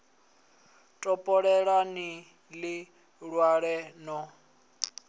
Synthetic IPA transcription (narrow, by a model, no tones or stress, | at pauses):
tʼɔpʼɔɺɛɺani | lɪ | ɺwaɺɛnɔ